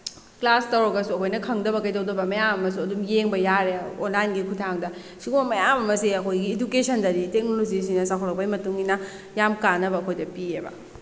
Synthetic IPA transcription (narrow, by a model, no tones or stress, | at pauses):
klastɐwɾɐɡɐsuɐkʰojnɐkʰɐŋdɐβɐkɐjdɐwdɐbɐmɐjamɐmɐsuɐdumjeŋbɐjaɾeonlajnɡikʰutʰaŋdɐ | siɡumɐmɐjamɐmɐsiɐkʰojɡiːdukesʰɐndɐɾitek̚nolod͡ʒis̬inɐsakʰɔlɐk̚pɐjmɐtuŋinɐ | jamkanːɐbɐːkʰojdɐpiebɐ̰